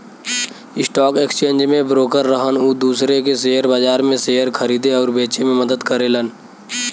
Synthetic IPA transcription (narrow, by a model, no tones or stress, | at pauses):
ɪsʈɔːkekst͡ʃẽːnd͡ʒmẽbɾoːkəɾːəɦənuːd̪uːsɾekeseːəɾbaːd͡ʒaːɾmẽseːjəɾkʰəɾiːd̪eɔːɾbeːt͡ʃemẽməd̪əd̪kəɾelən